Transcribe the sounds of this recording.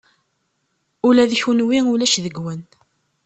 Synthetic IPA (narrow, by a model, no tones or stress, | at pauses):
ʊlæðçunwiʊlæʃðəɡwən